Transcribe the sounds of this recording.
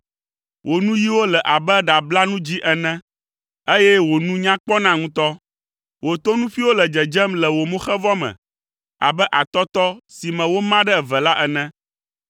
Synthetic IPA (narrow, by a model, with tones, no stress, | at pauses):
wʔo˨nũ˦ji˦wo˦lɛ˨ʔa˨bɛ˦ɖa˨bla˦nũ˦d͡ʑi˦ʔɛ˨nɛ̃˦ | e˦jɛ˦wo˨nũ˦ɲã˦k͡pɔ˦nã˦ŋũ˦t̪ɔ˦ | wo˨t̪o˦nũ˦fi˦wo˦lɛ˨d͡ʒɛ˨d͡ʒɛ˦mlɛ˨wo˨mũ˦xɛ˦vɔ˦mɛ̰̃˨ | a̰˨bɛ˦ʔa˨t̪ɔ˦t̪ɔ˦si˨mɛ̃˨wo˦mã˦ɖɛ˦ɛ˨vɛ˨la˦ʔɛ˨nɛ̃˦